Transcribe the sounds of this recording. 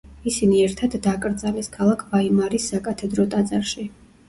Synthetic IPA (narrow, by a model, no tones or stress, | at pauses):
isiniɛɾt̪ʰad̪ːakʼɾd̪zalɛskʰalˠakʰvaimaɾisːakʼat̪ʰɛd̪ɾɔt̪ʼad̪zaɾʃi